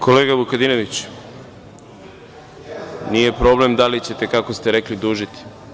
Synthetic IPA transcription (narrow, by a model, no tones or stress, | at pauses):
kʰo̞leːɡabukad̪inoʋit͡ɕ | nije̞pɾo̞ble̞md̪alit͡ɕet̪e̞kako̞st̪e̞ɾeklid̪uːʒit̪i̥